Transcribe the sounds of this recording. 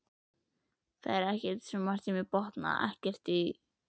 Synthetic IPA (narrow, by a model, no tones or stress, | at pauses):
θaðɛɾɛhcɛt̪sɛmar̥t̪imɪpɔht̪na̰ɛ̰hcɛr̥t̪i